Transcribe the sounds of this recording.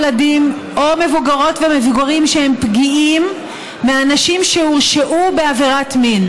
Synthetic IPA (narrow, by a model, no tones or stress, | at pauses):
ladim | ome̞vuɡaʁo̞tvemevuɡaʁimʃehempɡiimː | eanaʃimʃeuʁʃeʔube̞aveʁatmin